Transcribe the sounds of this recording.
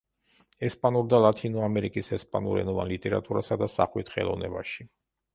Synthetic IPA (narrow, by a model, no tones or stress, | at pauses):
ɛspʼanuɾd̪alˠat̪ʰinɔamɛɾikʼisɛspʼanuɾɛ̰nɔva̰nlit̪ʼɛɾat̪ʼuɾasad̪asa̰χwit̪ʰχɛ̰lˠɔvnɛbaʃi